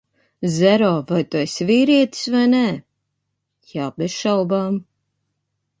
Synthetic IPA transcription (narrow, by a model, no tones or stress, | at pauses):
zɛɾɔːvajt̪uesʲviːɾiɛt̪i̥svajnɛ | jaːbesʃawbaːm